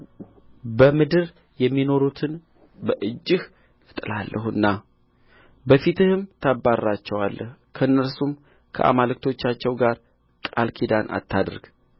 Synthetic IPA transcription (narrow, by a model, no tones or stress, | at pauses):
bəmɨd̪ɨɾ | jɛmːino̞ɾut̪ʰɨn | bəʔɨd͡ʒːɨh | ɨ̥t̪ʼɨlalːʔəhɨnːa | bəfit̪ɨhɨmt̪ʰabːaɾːat͡ʃːɛwalːəh | kʰəɨnːəɾsum | kʰə̰ʔa̰malɨkt̪ʰo̞t͡ʃːat͡ʃːɛwɡaɾ | kʼalkʰid̪anʔa̰t̪ʰːad̪ɾɡ̥